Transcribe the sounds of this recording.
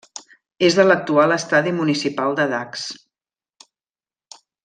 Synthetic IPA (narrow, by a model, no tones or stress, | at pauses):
ezðələk̚t̪ualəst̪aðimunisipalˠd̪əðaks